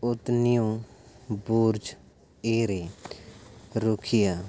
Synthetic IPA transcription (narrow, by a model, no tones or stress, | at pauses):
ʊt̪nijõ | buːɾd͡ʒ | eːɾe | ɾʊkʰɪjaː